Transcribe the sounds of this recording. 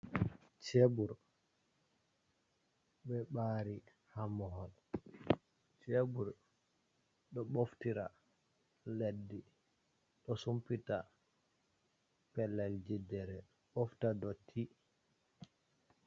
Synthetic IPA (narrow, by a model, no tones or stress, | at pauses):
t͡ʃebuɾ | bɛɓaɾi | hamɔhɔl | t͡ʃebuɾ | ɗɔɓoftiɾa | ledːi | ɗɔsumpita | pɛlːald͡ʒidɛɾɛ | ɓoftadɔtʰi